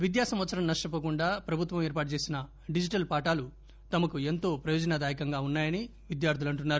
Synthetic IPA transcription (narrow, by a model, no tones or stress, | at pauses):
ʋid̪jaːsɐmʋɐt̪sɐɾɐmnɐʂʈɐp̬ɐkuɳɖaːpɾɐbʱut̪ʋɐmeːɾpaːʈɐt͡ʃe̞ːsinɐ | ɖid͡ʒiʈɐlpaːʈaːlu | t̪ɐmɐkue̞nt̪o̞ːpɾɐjoːd͡ʒɐnaːd̪aːjikɐŋɡaːunːaːjɐniʋid̪jaːɾt̪ʰilɐɳʈunːaːɾu